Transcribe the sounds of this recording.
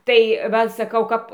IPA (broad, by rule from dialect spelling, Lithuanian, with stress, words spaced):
ˈtɐɪ ˈʋɐ sɐˈkɐʊ ˈkɐp